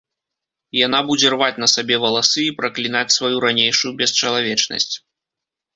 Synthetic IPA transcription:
janabud͡zʲɛrvat͡sʲnɐsabʲɛvɐlˠasɨipɾɐklʲinat͡sʲsvajuɾanʲejʂujubʲɛst͡ʃɐlˠavʲɛt͡ʂnɐ̰sʲt͡sʲ

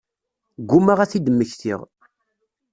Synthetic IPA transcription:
ɡumaʁæθid̪əmːəçθḭʁ

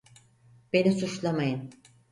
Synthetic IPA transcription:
b̥e̞nisut͡ʃlˠamajɯn

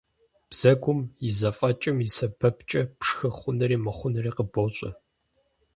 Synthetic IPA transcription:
b̥z̥ɐɡʷʊmjɪzɐfʼɐt͡ʃʼɐmisɐbʰɐpt͡ʃʼɐpʂxɐχʷʊnɐɾiːmɐχʷʊnɐriːqəboɕʼɐ̰

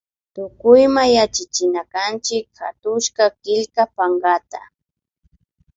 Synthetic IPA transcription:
t̪ʊkʊjmajat͡ʃat͡ʃɪnakant͡ʃɪkxa̰t̪ʊʃkakɪʎkapaŋɡat̪a̰

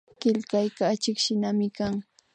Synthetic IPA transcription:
kɪʎkajkaːt͡ʃɪkʃɪnamɪkaŋ

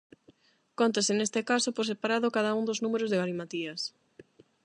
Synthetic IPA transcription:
kont̪asɪnest̪ɪkasopoɾsepaɾaðokað̞aund̪oznumeɾozðeɣalimat̪iɐs

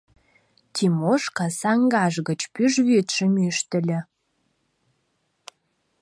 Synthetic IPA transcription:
t̪ʲʰimoʃkɑsɑŋɡɑʒɣə̆t͡ɕpyʒβyt̪ʃɘ̆myʃt̪ə̆lʲɘ̆

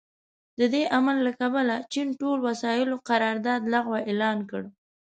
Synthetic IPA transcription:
d̪əd̪eʔamalːakabalat͡ʃinʈolwasɑjɪloqaɾɑɾd̪ɑd̪laɣwaʔelɑnkə̰ɽ

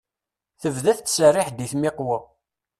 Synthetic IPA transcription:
θəvðæθt͡sːsərːɪħd̪iθmɪqwə

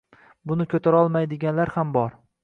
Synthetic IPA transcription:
bʊnɪkʲʰɵt̪ʰaɾɒlˠmajd̪ɪɡʲanlaɾhambɒɾ

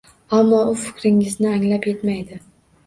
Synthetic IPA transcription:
amːɒʊfɪ̥kʲɾɪŋɪznɪaŋlapje̞t̪majd̪ɪ

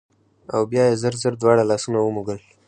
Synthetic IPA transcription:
awbjɑjezəɾzəɾd̪wɑɽalɑsunawəmuɡəl

